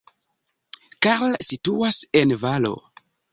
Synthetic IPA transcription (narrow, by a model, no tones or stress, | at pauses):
kaɾlsituase̞nvalo̞̰